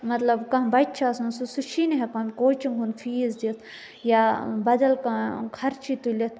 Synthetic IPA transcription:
mɐt̪lɐbkɐ̃ɦbɐt͡ʃʰasunsusuʃʰinɦekɐmʲkoːt͡ʃiŋɡɦunfʰiːzd̪it̪ʰ | jabɐd̪ɐlkɐkʰɐɾt͡ʃʰit̪ulʲit̪̚ʰ

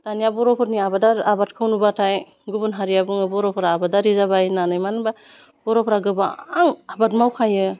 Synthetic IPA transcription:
tanijabɔɾɔpʰɔtniabadaɾabat̚kʰɯwnubatʰaj | ɡubunɦaɾijabɯŋɯbɔɾɔpʰɔɾaːbadaɾizabajnanɯjmanba | b̥ɔɾɔpʰɾaɡɯba̰aŋabatmawkʰajɯ

